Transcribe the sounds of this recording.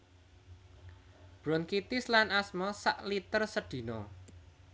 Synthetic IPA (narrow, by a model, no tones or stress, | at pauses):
b̥ɾɔnkit̪ɪslanasmɔsaʔlit̪ərsəɖ̪̥i̤nɔ